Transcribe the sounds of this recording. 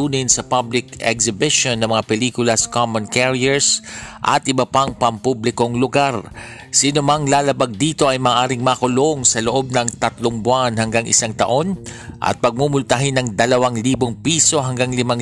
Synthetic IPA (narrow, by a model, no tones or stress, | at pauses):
uːnɪnsɐpablɪkɛksɪbɪʃonːɐŋmɐŋapɛliːkʊlɐsɐ̥kamonkɛɹiɛɹsʔɐ̰t̪ʔɪbɐpaŋpɐmpublɪko̞ŋlʊɡaɾ | sinomɐŋlaːlɐbaɡ̚d̪iːt̪o̞ʔɐjmaːʔaːɾɪŋmaːkʊloŋsɐloʔo̞b̚nɐŋt̪ɐt̪loŋbʊanhɐŋɡaŋʔɪ̰saŋt̪ɐ̰ʔo̞nʔɐ̰t̪̚pɐɡ̚mumʊlt̪ɐɦɪnɐŋd̪ɐlɐwaŋliːboŋpiːso̞ɦɐŋɡaŋlɪmaŋ